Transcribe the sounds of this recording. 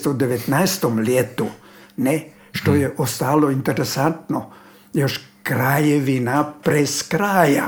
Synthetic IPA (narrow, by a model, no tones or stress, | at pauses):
t̪oud̪eʋet̪naest̪omlʲjet̪u | ne | ʃt̪o̞jeʔost̪aːloint̪eɾesant̪no | joʃkɾajeʋinapɾeskɾaːja